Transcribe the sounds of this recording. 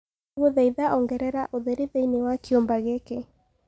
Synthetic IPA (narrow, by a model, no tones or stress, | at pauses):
ɣoðɛiðaʔɔŋɡɛɾɛɾaʔoðeɾeðɛinewakeombaɣeke